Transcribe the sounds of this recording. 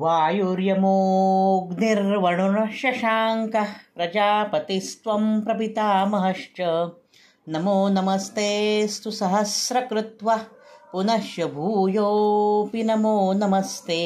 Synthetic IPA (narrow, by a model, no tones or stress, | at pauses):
ʋaːjuɾjɐmoːɡniɾʋɐɳunɐʃjɐʃaːŋkɐpɾɐd͡ʒaːpɐt̪ist̪ʋɐmpɾɐbit̪aːmɐɦɐʂt͡ʃɐ | nɐmoːnɐmɐst̪eːst̪usɐɦɐsɾɐkɾut̪ʋɐpunɐʃjɐbʱuːjoːpinɐmoːnɐmɐst̪eː